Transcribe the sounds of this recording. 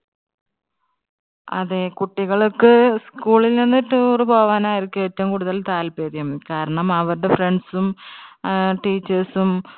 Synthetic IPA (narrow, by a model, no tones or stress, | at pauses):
ɐ̰ðekuʈːiɣɐɭokːɨskuːɭilninːutːɨrɨboːʋaːnaːjiɾikʲːumetːɐʋumkuːɽuðɐlt̪aːlpeːðjɐmkaːɾɐɳɐmɐʋɐɾuɽefre̞ɳɖsum | ʈiːt͡ɕːɐrsum